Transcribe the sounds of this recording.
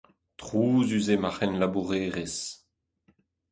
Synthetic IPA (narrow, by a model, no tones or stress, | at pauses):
tχuːzyzemaχɛnlabuʁeːʁes